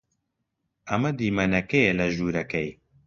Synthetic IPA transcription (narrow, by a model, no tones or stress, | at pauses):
ɐmɐd̪iːmɐnɐkejelɐʒuːɾɐkɐj